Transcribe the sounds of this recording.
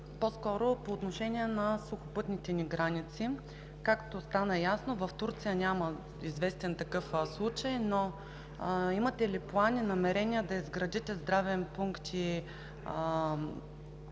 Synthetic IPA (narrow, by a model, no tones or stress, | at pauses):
poskɔɾopoːt̪noʃɛnʲiɛnɐsʊxʊpɤt̪nit̪ɛniɡɾanʲit̪si | kakt̪ost̪anɐjasnovɐft̪uɾt̪sijənʲamɐ | izvɛst̪ɛnt̪ɐkɤfslˠut͡ʃəjno | imɐt̪ɛliplˠanʲinɐmɛɾɛniəd̪ɐizɡɾɐd̪it̪ɛzd̪ɾavɛmpuŋkt̪ʰi